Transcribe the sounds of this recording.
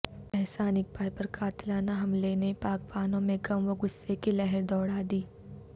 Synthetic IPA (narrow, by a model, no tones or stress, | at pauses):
ɛɦsaːnɪk̚paːjpɐɾkʰaːt̪ɪlaːnaɦɐmlenepaːk̚paːnõmẽɡɐmʋoɡʊsːekilɛɦɛɾd̪ɔːɽaːd̪iː